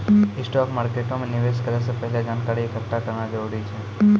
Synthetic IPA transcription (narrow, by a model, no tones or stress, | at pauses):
ɪsʈɔkmaːɾkeʈomẽnɪʋeʃkəɾesepəɦlad͡ʒankaɾiekəʈakəɾnãd͡ʒəɾuɾit͡ʃʰe